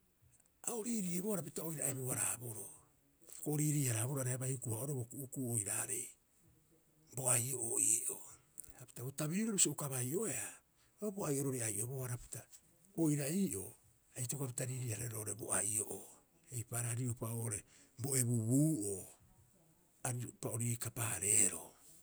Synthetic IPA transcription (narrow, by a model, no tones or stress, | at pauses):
aoɾiɾieboaɾapitao̞jɾaeβuaɾa̰ːbo̞ɾo | koɾiːɾiːaɾaːboɾoaɾeabajukuaoɾobokuʔːkuojɾaːɾe̞j | bo̞ajo̞ʔoiːʔo | api̥taotaβiɾiɾoβusioukaβajʔo̞ea | oboajʔo̞ɾoɾeajʔo̞boaɾapi̥ta | ojɾaiːʔo̞ | ajtokap̬itaɾiːɾiːhaɾeɾoʔːɾebo̰ajo̞̰ʔo | ejpaːɾaaɾiupaʔoʔoɾe̞ | bo̞e̞βuβuːʔoː | aɾipao̞ɾikapaːɾe̞ːɾo̰